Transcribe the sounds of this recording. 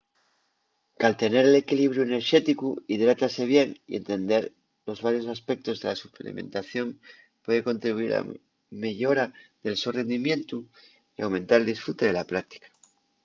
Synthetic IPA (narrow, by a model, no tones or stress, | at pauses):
kalt̪e̞ne̞ɾe̞le̞kiliβ̞ɾjuene̞ɾʃe̞t̪ikuiðɾat̪ase̞β̞je̞nḭʔe̞̰nt̪e̞nd̪e̞ɾ | lo̞zβaɾjo̞saspe̞k̚t̪o̞zðe̞lasuplḛmẽ̞̰nt̪aθjo̞m | pwe̞ð̞e̞ko̞nt̪ɾiβuiɾa̰ | me̞ʝo̞ɾaðe̞lsore̞nd̪imje̞nt̪u | iawmẽ̞nt̪aɾeld̪isfɾut̪eðe̞laplak̚t̪i̥kḁ